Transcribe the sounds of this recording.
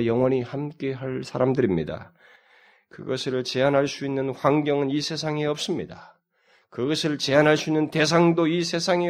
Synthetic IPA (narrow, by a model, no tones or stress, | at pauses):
jʌŋwʌɲihamk͈e̞ɦaɭsʰaɾamdɯɾimɲida̰ | kɯɡʌsʰɯɭt͡ɕe̞anɦaɭs͈uinːɯnɸwaŋɡjʌŋɯnisʰe̞sʰaŋeʌp̚s͈ɯmɲida | kɯɡʌsʰɯɭt͡ɕe̞anɦaɭs͈uinːɯnte̞sʰaŋdoisʰe̞sʰaŋe